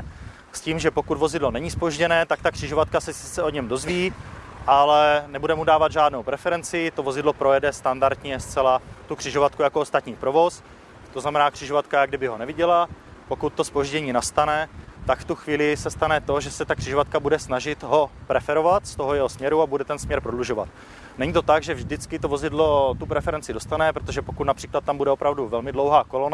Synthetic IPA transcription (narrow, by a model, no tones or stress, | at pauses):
sciːmʒɛpo̞kud̪vo̞zɪdlo̞nɛɲɪspo̞ʒɟɛnɛːt̪akt̪akr̝̥ɪʒovat̪kasɛsɪt͡sɛoɲɛmdo̞zviː | ʔalɛnɛbudɛmudaːvad̪ʒaːdnowpɾɛfɛɾɛnt͡sɪt̪o̞vo̞zɪdlo̞pɾo̞jɛdɛst̪andaɾt̪ɲɛst͡sɛlat̪ukr̝̥ɪʒovat̪̚kujakoost̪at̪ɲiːpɾo̞vo̞s | t̪oznamɛnaːkr̥ɪʒovat̪kajaɡdɪbɪɦo̞nɛvɪɟɛlapo̞kut̪ːo̞spo̞ʒɟɛɲiːnast̪anɛt̪akft̪uxviːlɪsɛst̪anɛt̪o̞ʒɛsɛt̪akr̝̥ɪʒovat̪̚kabudɛsnaʒɪt̪ɦo̞pɾɛfɛɾo̞vat̪st̪o̞ɦojɛɦo̞smɲɛɾuabudɛt̪ɛnsmɲɛɾpɾodluʒo̞va̰t̪ | nɛɲit̪o̞t̪aɡʒɛvʒdɪt͡skɪt̪ovo̞zɪdlot̪upɾɛfɛɾɛnt͡sɪdo̞st̪anɛpɾot̪oʒɛpokut̪napr̥iːklat̪̚ːambudɛopɾavduvɛlmɪdlowɦaːkolona